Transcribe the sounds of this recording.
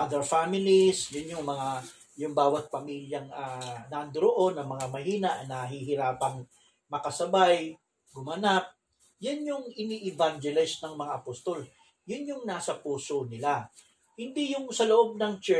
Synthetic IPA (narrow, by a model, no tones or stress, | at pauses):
ʔad̪ɛɹfamɪlisjʊnjʊŋmɐŋa | jʊŋbaːwɐt̪̚pɐmiːljɐŋanɐʔɐnd̪ʊɾoʔo̞nɐŋmɐŋamɐɦiːnɐʔɐnɐɦiɦɪɾaːpɐŋ | mɐkɐsɐbaj | ɡʊmanap̚ | jʊnjʊŋɪniʔɪvand͡ʒɛlɪsnɐŋmɐŋaʔɐpost̪o̞l | jʊnjʊŋnaːsɐpuːsonɪla | hɪnd̪ijʊŋsɐloʔo̞b̚nɐŋt͡ʃɛ